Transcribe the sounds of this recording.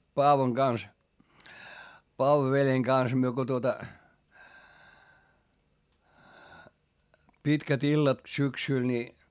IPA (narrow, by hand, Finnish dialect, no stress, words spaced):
pɑːʋoŋ ɡ̊ɑns pɑːʋoʋeljeŋ ɡ̊ɑns myø ko tuotɑ pitkæt ilːɑt syksyˑl ni